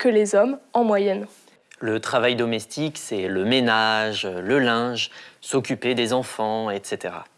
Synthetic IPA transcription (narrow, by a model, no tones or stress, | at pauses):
kəlezɔmɑ̃mwajɛn | lət̪χavajd̪ɔmɛst̪ʰiksɛləmenaʒləlɛ̃ʒsɔkʲyped̪ezɑ̃fɑ̃ɛt̪set̪eʁa̰